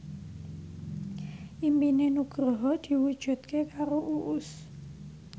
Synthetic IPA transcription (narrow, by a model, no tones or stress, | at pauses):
ʔimpinenuɡ̥ɾɔɦɔd̪̥i̤wud̥ʒ̥ṳt̪̚kekaɾoʔuʔʊs